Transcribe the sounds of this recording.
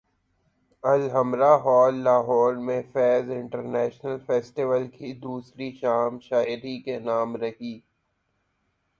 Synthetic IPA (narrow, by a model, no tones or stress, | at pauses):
ɐlɦɐmɾaɦɔːlːaːɦɔːɾmẽfɛːzɪ̃ɳʈəɾnɛːʃnəlfeːsʈɪʋəlkʰid̪uːsɾiʃaːmʃaːɪɾikenaːmɾɐɦiː